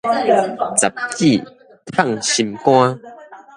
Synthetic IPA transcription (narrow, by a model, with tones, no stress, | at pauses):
t͡sa˨˩p̚ki˥˨ | t̪ʰa˥˨ŋɕi˧mkwã˦